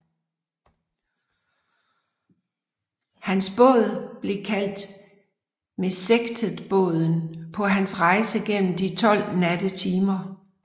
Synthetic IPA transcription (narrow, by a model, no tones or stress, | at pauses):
hænsb̥ɔ̰̽ð̞ˠb̥le̝kʰæl̰d̥ | meseɡ̥d̥ʰəðˠb̥ɔ̰̽ːð̞ˠn̩pʰɒ̽ɦænsʁɑ̈ɪsəɡ̥en̰m̩d̥it͡sʰɒ̽l̰næd̥ət͡sʰiːmɐ